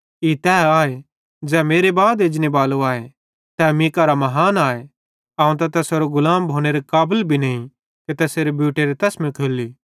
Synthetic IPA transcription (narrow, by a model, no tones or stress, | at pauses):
it̪ɛːaːe | d͡ʒɛːmeːɾebaːd̪ed͡ʒnebaːloaːe | t̪ɛːmikaɾamɐɦaːnaːe | ɐ̃ːũt̪ɐt̪ɛseɾoɡʊlaːmbʱoːñeɾekaːbəlbʱinɐĩ | ket̪ɛːseːɾebjuːʈeɾet̪ɐsmĩkʰeːlːiː